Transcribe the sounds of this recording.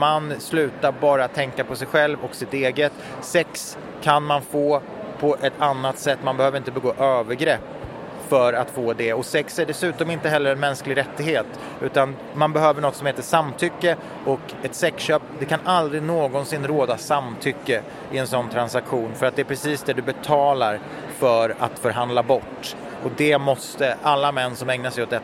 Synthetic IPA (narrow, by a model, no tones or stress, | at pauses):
manslʉ̟ːt̪aɾbɑːɾat̪ʰɛŋkapʰɔsɛjɧɛlvɔksɪt̪eːɡət̪ | sɛks | kʰanmanfoː | pʰɔʔɛt̪ʰanːat̪sɛt̪ːmanbɛhøːvɾɪnt̪əbɛɡoːʔøːvəɾɡɾɛpː | fœɾat̪foːd̪ɛɔsɛksæɖɛsʉ̟ːt̪ɔmɪnt̪əɦɛlːəɾɛnmɛnsklɪɾɛt̪ːɪɡheːt̪ | ʉ̟ːt̪an | manbɛɦøːvəɳɔt̪sɔmheːt̪əʂamːt̪ʰʏkːə | ɔk | ɛt̪sɛkɕøːp̚d̪ɛkʰanʔald̪ɾɪnoːɡɔnsɪnːɾoːd̪asamːt̪ʰʏkːə | ɪɛnsɔnːt̪ʰɾansakɧuːnfœɾat̪̚d̪ɛæːpʰɾɛsiːsd̪ɛd̪ɵbɛt̪ʰɑːlaɾ | fœɾa̰t̪fœɾɦand̪labɔʈː | ɔd̪ɛmɔst̪əʔalːamɛnːsɔmɛŋnasɛjɔt̪d̪ɛ